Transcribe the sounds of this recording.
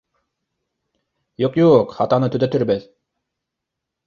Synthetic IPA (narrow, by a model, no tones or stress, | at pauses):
joqjuqhɑt̪ɑnɯt̪ʰyd̪ɛt̪ʰyɾbɛz